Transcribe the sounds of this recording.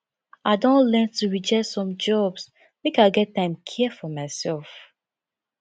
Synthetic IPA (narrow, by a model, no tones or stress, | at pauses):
aɪdõntlɛntuɹid͡ʒɛtsɔ̃md͡ʒɔbs | mekaɪɡɛtːãɪ̃mkʰɛfɔmaɪsɛlf